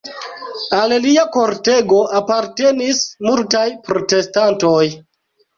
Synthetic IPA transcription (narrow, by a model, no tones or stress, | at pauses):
alliako̞ɾte̞ɡo̞ʔapaɾte̞nismultajpɾo̞te̞stanto̞j